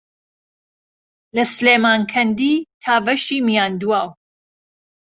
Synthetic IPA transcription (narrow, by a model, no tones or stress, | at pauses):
lɐsleːmaːŋkʰɐnd̪iːt̪ʰaːvɐʃiːmijaːnd̪waːw